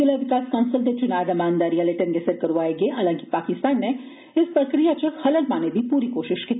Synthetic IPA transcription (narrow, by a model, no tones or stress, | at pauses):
ɪlaʋɪkaːskaʊnsəlt̪et͡ʃʊnaːd̪ɐmaːnd̪aːɾijaleʈənɡɛsəɾkɐɾʋaːeɡeʔaːlãːŋkipaːkɪst̪aːnːe | ɪspɾɐkɾijat͡ʃɐhɐləlmaːned̪ʱipuːɾikoːʃɪʃki